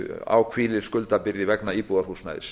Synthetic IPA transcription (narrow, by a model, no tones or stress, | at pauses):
a̰wkʰv̥iːlɪɾ̥skʏlt̪apɪɾɪvɛknaipuðaɾhusna̰jðɪ̰s